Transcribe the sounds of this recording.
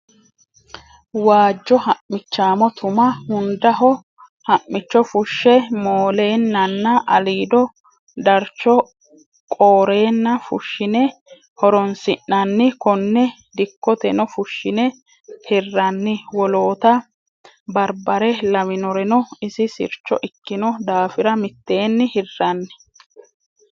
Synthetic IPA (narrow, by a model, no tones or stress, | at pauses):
waːd͡ʒːɔhɐʔmɪt͡ʃːaːmɔt̪ʊmɐhʊnd̪ɐɦɔ | hɐʔmːɪt͡ʃːɔfʊʃːɛmoːle̞ːnːɐnːɐʔɐliːd̪ɔ | d̪ɐɾt͡ʃːɔ | kʼoːɾe̞ːnːɐfʊ̰ʃːɪnɛ | hɔɾɔnsɪnːɐnːɪkɔnːɛ | d̪ɪkːɔt̪ɛnɔfʊʃːɪnɛ | hɪrːɐnːɪwɔlo̞ːt̪ɐ | bɐɾbɐɾɛlɐwɪnɔɾɛnɔɪsɪsɪ̰ɾt͡ʃːɔʔɪkːɪnɔd̪aːfɪɾɐmɪt̪ːe̞ːnːɪhɪrːɐnːɛ̥